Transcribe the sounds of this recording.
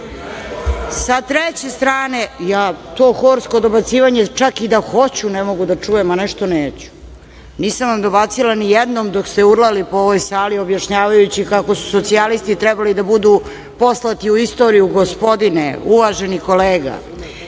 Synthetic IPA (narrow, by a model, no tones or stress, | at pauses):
sat̪ɾet͡ɕe̞st̪ɾaːne̞jaːt̪o̞ːxoɾsko̞d̪o̞bat̪siːʋaɲe̞t͡ʂakid̪axo̞t͡ɕunemo̞ɡud̪at͡ʂujemanɛʃt̪o̞neːt͡ɕu̥ | niːsamʋamd̪o̞bat̪silˠanijɛd̪nomd̪okst̪euɾlˠalipooʋo̞jsaːlio̞bjaʃɲaːʋajut͡ɕikakosu̥so̞t̪sialist̪it̪ɾɛbalid̪abud̪u | po̞slˠat̪iuist̪o̞ːɾijuɡo̞spo̞d̪ineuʋaʒeniko̞leːɡa̰